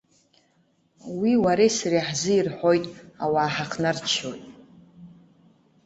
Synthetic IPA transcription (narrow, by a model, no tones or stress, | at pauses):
wiwaɾesriħzɨirħojtʼawaːħaχʰnart͡ʃʰo̰jtʼ